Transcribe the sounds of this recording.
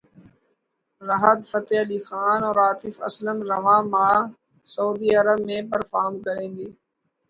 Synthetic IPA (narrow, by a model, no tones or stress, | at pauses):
ɾəɦəd̪fət̪eːɦəliːxaːnõːɾaːt̪ʰiːfɐ̰sləmɾɐʋãːmaː | səuːd̪iːɐɾəbmẽːpəɾfaːɦmkəɾẽːnd̪iː